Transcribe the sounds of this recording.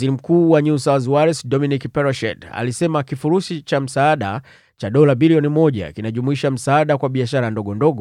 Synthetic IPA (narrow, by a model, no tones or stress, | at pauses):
iɾim̩kuːwaɲusawzwaɾɛsdɔminikpɛɾɔʃɛ̰da̰lisɛmakifuɾusit͡ʃam̩saːɗa̰ | t͡ʃaɗɔlabiliɔnimɔʄa̰kinaʄumuiʃam̩saːɗakwaɓiaʃaɾandɔɠɔndɔɡɔ